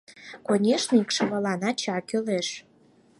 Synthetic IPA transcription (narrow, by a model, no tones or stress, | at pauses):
konʲeʃnəikʃəβɑlɑnɑt͡ɕɑkøleʃ